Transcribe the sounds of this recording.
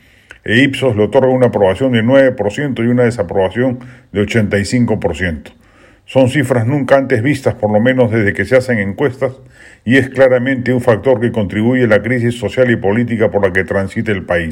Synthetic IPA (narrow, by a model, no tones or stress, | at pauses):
eipso̞zleot̪o̞ɾɣaunaːpɾo̞βasjo̞nd̪enwe̞βe̞po̞ɾsje̞nt̪o̞iunaðe̞sapɾo̞βasjo̞nd̪eo̞t͡ʃe̞nt̪ajsiŋko̞po̞ɾsje̞nt̪o̥ | so̞nsifɾaznũŋkaant̪e̞zβist̪aspo̞ɾlo̞mẽ̞nozðe̞zðe̞ke̞sease̞ŋe̞ŋkwe̞st̪as | ie̞sklaɾamẽnt̪e̞uɱfak̚t̪o̞ɾke̞ko̞nt̪ɾiβuʝelakɾis̬isːo̞sjalipo̞lit̪̬ikapo̞ɾlake̞t̪ɾansit̪eːlpai